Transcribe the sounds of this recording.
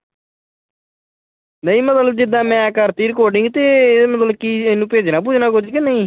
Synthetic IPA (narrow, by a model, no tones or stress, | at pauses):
nəĩːmət̪ləb̚d͡ʒɪd̪ãːmɛ̃ːkəɾt̪iːɾkoːɖɪ̃ŋɡt̪eːmət̪ləbkienũːpeːd͡ʒnaːp̬uːd͡ʒnaːkʊd͡ʒkɪnəĩː